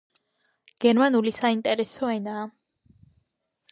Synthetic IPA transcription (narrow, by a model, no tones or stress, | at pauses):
ɡ̥ɛɾmanulisaint̪ʼɛɾɛsɔɛnaː